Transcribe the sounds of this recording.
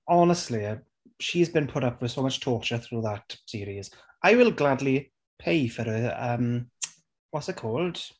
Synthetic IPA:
ɔnəstˡliə | ʃizbĩnpʰʊɾʌpʰwɪð̥soʊmʌt͡ʃtʰɔːˑt͡ʃəθɹuːðətsɪːɾiz | ʔaɪwɪlˠɡladˡli | pʰeɪfəɾəəm | wɒtsaɪkʰɔːlˠd̥

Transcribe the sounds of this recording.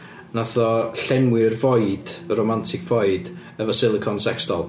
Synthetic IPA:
naθɔɬɛmwɪrvɔɨd̥romantʰɪkʰv̥ɔɨd | əvəsɪlˠɪkʰɔnsɛkstɔlˠ

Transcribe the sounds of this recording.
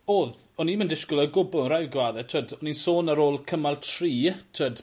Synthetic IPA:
oːðɔniməndɪʃkʊləɡʊbʊlˠnrajɡwaːðɛtʰədɔninsoːnəɾoːlˠkʰəmalˠtʰriːtʰəd̥

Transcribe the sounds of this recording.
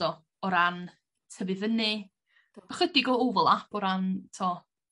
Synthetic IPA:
ɔ | ɔɾan | tʰəbɨðənɨ̥ | əχədɪɡɔovɔlˠapʰɔɾantʰɔː

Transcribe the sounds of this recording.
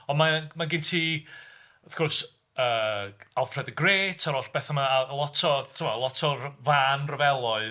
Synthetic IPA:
ɔnmamaɡɪntʰiː | əθkʰɔrs | əːalˠfrɛdəɡreːtʰaɾɔɬb̥ɛθamalˠɔtʰɔtʰəmɔlˠɔtʰɔrvaːnrəvɛlˠɔɨ

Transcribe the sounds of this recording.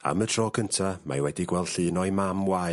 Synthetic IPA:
a̰mətʰr̥ɔːkʰəntʰama̰jwɛdiɡwɛlˠd̥ɬɨːnɔjmamwa

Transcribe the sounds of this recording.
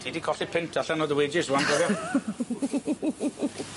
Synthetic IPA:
tʰiːdikʰɔɬipʰɪntʰaɬanɔːðəweːd͡ʒɪsandɔvɔ

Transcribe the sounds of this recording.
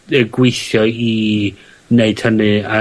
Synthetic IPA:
ɛɡwɪɨθjɔi | neɨd̥hənɨa

